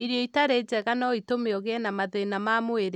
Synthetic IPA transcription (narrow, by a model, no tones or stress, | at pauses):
iɾjɔitaɾed͡ʒɛɣanɔitomeɔɣeɛnamaðenamamoeɾe